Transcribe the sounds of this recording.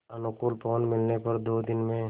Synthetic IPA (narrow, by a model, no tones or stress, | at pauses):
ɐnʊkʊːlpɔːnmɪlnepɐɾd̪oːd̪ɪnmẽ